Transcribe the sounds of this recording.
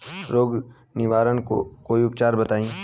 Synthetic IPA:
ɾoːɡ | nɪʋaːɾənko̰koːiʊpt͡ʃaːɾbɐt̪aːĩː

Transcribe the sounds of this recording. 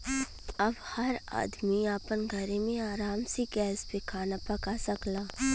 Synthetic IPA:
ɐbhɐɾa̰ːd̪miaːpənɡʱəɾemẽaːɾaːmseɡɛːspekʰaːnapɐkasɐklaː

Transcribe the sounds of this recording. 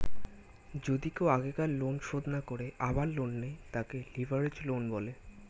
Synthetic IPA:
d͡ʑod̪ikeoaɡekallonʃod̪nakoɾeʔabaɾːonːejt̪akelivʱaɾed͡ʑlonbɔle

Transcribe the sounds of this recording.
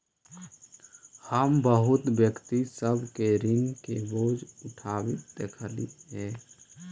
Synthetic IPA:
həmbəɦʊt̪bjəkt̪isəbkeɾɪŋkeboːd͡ʒʊʈʰaːbit̪ːekʰəlit̪ɦɛː

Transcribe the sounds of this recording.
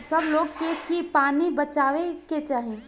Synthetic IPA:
sɐbloːɡkekipaːnibɐt͡ʃaːʋeket͡ʃaːɦẽː

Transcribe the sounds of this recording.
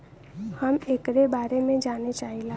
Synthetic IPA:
həmeːkɾebaːɾemẽd͡ʒaːnet͡ʃaːɦilaː

